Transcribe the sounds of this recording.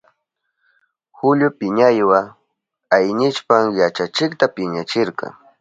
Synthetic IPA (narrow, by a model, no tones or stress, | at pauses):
xʊʎʊpɪɲajwa | ajɲɪt͡ʃpaŋjat͡ʃat͡ʃɪkt̪apɪɲat͡ʃɪɾqɑ̰ŋ